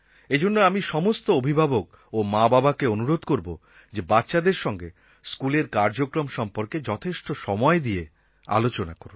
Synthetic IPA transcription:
ed͡ʑonːoamiʃɔmost̪oobʱibʱabok̚ | omababakeonuɾod̪koɾbo | d͡ʑebatːʃad̪eɾʃɔŋɡe | skuleɾkaɾd͡ʑokɾomʃɔmpoɾked͡ʑɔt̪ʰeʃʈoʃɔmɔed̪ie | a̰lot͡ɕonakoɾu

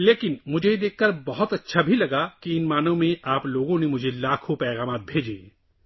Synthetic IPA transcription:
leːkɪnmʊd͡ʒʱejd̪eːkʰːɐɾbɐɦʊt̪ɐtːʃʰabʱilɐɡakiɪnmaːnõmẽʔaːploːɡõnemʊd͡ʒʱelaːkʰopɛːɣaːmaːt̪̚bʱeːd͡ʒḛː

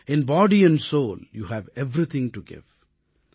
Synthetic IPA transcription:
ɪ̃nbɔːɖiɛ̃nɖsoːljuːhæʋɛʋɾit̪ʰɪ̃ŋʈuɡɪ̰ʋ

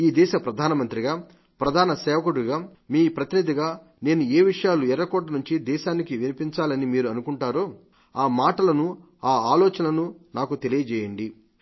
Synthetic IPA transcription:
iːd̪ɛːʃɐpɾɐd̪ʱaːnɐmɐnt̪ɾiɡaː | pɾɐd̪ʱaːnɐsɛːʋɐkuɽuɡaːmiːpɾɐt̪inid̪ʱiɡaː | ne̞ːnueːʋiʂɐjaːluɛɾːɐkɔːʈ̬ɐnuɲt͡ʃid̪ɛːʃaːnikiʋinipiɲt͡ʃaːlɐnimiːɾuɐnukuɳʈaːɾo̞ː | aːmaːʈɐlɐnu | aːaːlɔːt͡ʃɐnlɐnunaːkut̪elijɐd͡ʒɛːjɐɳɖi

